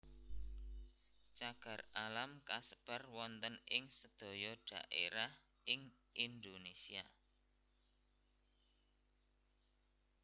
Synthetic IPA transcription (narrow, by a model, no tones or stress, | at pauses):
t͡ʃaɡ̥ä̤ralamkasə̥b̥arwɔnt̪ənɪŋsəd̪̥o̤jɔɖ̥ä̤̰ʔḛɾah | ʔɪŋ | ʔind̪onesia